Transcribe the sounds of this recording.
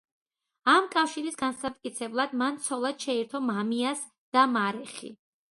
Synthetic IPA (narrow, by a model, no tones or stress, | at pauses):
amkʼafʃiɾisɡansat̪̚ʼkʼit̪sʰɛblˠad̪mant̪sʰɔlˠad̪̥ʃɛiɾt̪ʰɔmamias | d̪̥amaɾɛχḭ